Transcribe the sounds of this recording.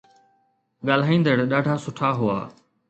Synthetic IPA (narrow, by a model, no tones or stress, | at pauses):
ɠaːl̤aːĩːnd̪əɽɗaːɖʱaːsʊʈʰaːɦʊa̰ː